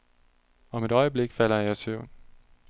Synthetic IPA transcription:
ɒ̽me̝ɾ̥ɒ̽ɪəb̥le̝ɡ̥fæl̰ɐjɑsøʊ̰n

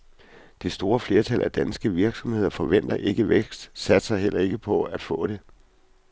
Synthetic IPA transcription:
d̥e̝sd̥o̝ːɐfle̝ːɐt͡sʰælʔæd̥ænsɡ̥əʋiɐɡ̥sɒ̽mhe̝ð̞̰ˠɐfɒ̽ʋen̰d̥ɐʔe̝ɡ̥əʋeɡ̥sd̥sæd̥sɑ̈ɪɦel̰ɐe̝ɡ̥əpʰɒ̽æd̥fɔ̰̽ːɾ̥e̝

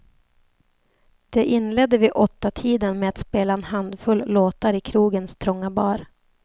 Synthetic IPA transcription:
d̪̥ɛʔɪnːlɛd̪ːəvɪʔɔt̪ːat̪ʰiːd̪ənmeːat̪speːlaɛnhand̪fɵlːloːt̪aɾɪkʰɾuːɡənst̪ʰɾɔŋːabɑːɾ

